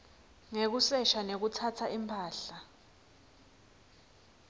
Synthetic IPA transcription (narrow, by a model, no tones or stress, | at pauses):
ŋek̬usɛʃanek̬utʰatʰaimpʰaːɬa